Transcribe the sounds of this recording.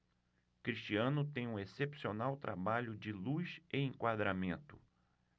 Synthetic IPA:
kɾiʃt͡ʃiɐ̃nʊt̪ẽj̃ũesepsionawt̪ɾʔabaʎʊd͡ʒɪluseẽŋkwad̪ɾamẽnt̪ʊ

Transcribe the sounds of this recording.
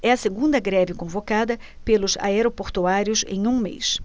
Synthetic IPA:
ɛɐseɡũd̪ɐɡɾɛvɪkõvokad̪ɐ | pelʊza̰ɛɾopoɾt̪uaɾjʊsḛ̃j̃ũmḛjs

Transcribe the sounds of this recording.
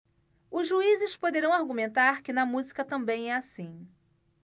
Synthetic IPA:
ʊzʒuizɪspod̪eɾɐ̃w̃aɾɡumẽnt̪aɾkɪnɐmuzikɐt̪ɐ̃mbẽj̃ɛasĩ

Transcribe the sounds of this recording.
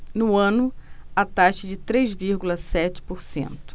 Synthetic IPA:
nʊɐ̃nʊɐt̪aʃɐd͡ʒɪt̪ɾejzviɾɡulɐsɛt͡ʃɪ̥poɾsḛ̃nt̪ʊ̥

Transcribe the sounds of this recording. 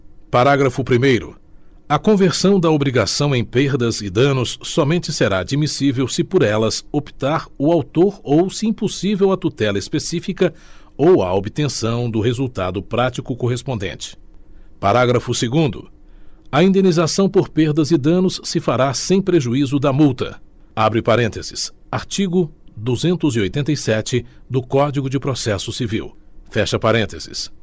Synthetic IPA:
paɾaɡɾɐfʊpɾimejɾʊ̰ | ɐkõveɾsɐ̃w̃d̪ɐobɾiɡasɐ̃w̃ẽj̃peɾd̪ɐzɪd̪ɐ̃nʊsːɔmẽnt͡ʃɪseɾad͡ʒimisivewsɪpoɾɛlɐsopi̥t̪aɾʊawt̪oɾowsɪĩposivewɐt̪ut̪ɛlɐispesifikɐ | owɐ̰obit̪ẽsɐ̃w̃d̪ʊɦezuwt̪a̰d̪ʊpɾat͡ʃikʊkoɦespõnd̪ḛ̃nt͡ʃɪ̥paɾaɡɾɐfʊseɡũnd̪ʊ̰ɐĩnd̪ẽnizasɐ̃w̃poɾpeɾd̪ɐzɪd̪ɐ̃nʊsːɪfaɾasẽj̃pɾeʒuizʊd̪ɐmuwt̪ɐ̰ | abɾɪpaɾẽt̪ezɪs | aɾt͡ʃiɡʊd̪uzẽnt̪ʊziojt̪ẽnt̪̬ɐjsɛt͡ʃɪd̪ʊkɔd͡ʒiɡʊd͡ʒɪpɾosɛsʊsivḭwfɛʃɐpaɾẽnt̪ez̥ɪ̰s

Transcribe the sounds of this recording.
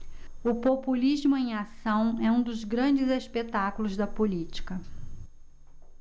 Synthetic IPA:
ʊpopulizmʊẽj̃asɐ̃w̃ɛũd̪ʊzɡɾɐ̃d͡ʒɪzespet̪akulʊzd̪ɐpolit͡ʃi̥kɐ

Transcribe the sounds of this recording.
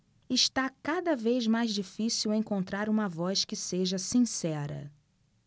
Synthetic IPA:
ɪʃt̪akad̪ɐvejzmajzd͡ʒifisiwẽŋkõnt̪ɾaɾũmɐvɔskɪseʒɐsĩsɛɾɐ̰

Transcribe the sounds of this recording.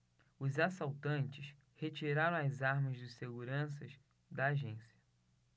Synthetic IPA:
ʊzasawt̪ɐ̃nt͡ʃɪʃ | het͡ʃiɾaɾɐ̃w̃ɐjzaɾmɐzd͡ʒɪseɡuɾɐ̃s̬ɐz | d̪ɐːʒẽsiɐ

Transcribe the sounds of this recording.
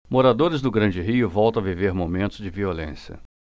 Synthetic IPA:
moɾad̪oɾɪzd̪ʊɡɾɐ̃nd͡ʒɪɦiʊvɔwˠt̪ɐ̃w̃aviveɾmomẽnt̪ʊzd͡ʒɪviolḛ̃sjɐ̰

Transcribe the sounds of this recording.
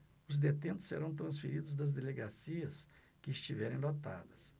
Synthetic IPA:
ʊzd̪et̪ẽnt̪ʊ̥sḛɾɐ̃w̃t̪̬ɾɐ̃sfeɾid̪ʊzd̪ɐzd̪eleɡasiɐs | kɪːst͡ʃivɛɾẽj̃lot̪a̰d̪ɐs

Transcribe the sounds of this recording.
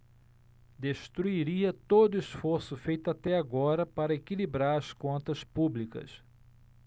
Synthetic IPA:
d̪eʃt̪ɾuiɾiɐt̪od̪ʊisfoɾsʊfejt̪ʊat̪ɛaɡɔɾɐpaɾɐekilibɾaɾɐskõnt̪ɐspublikɐ̰s

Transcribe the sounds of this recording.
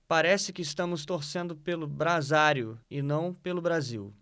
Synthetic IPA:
paɾɛsɪkɪːst̪ɐ̃mʊst̪oɾsẽnd̪ʊpelʊbɾazaɾjʊɪnɐ̃w̃pelʊbɾazḭw

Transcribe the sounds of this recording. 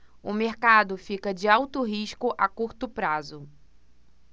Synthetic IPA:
ʊmeɾkad̪ʊfikɐd͡ʒɪawt̪ʊɦiʃkʊʔakuɾt̪ʊpɾazʊ

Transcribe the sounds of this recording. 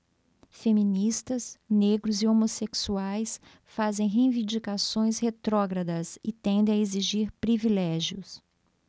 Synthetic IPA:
femĩnist̪ɐsneɡɾʊziomoseksuajs | fazẽj̃ɦẽj̃vĩnd͡ʒikasõj̃shet̪ɾɔɡɾɐd̪ɐsɪt̪ẽnd̪ẽj̃aeziʒiɾpɾivilɛʒjʊs

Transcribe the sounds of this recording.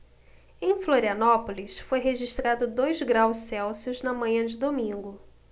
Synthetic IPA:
ẽj̃floɾiɐnɔpolisfojɦeʒiʃt̪ɾad̪ʊd̪ojzɡɾawssɛwsjʊznɐmɐ̃ɲɐ̃d͡ʒɪd̪omĩŋɡʊ

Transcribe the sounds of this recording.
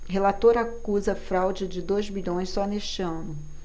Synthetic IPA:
ɦelat̪oɾakuzɐfɾawd͡ʒɪd͡ʒɪd̪ojzmiʎõj̃ssɔneʃt͡ʃɪɐ̃nʊ

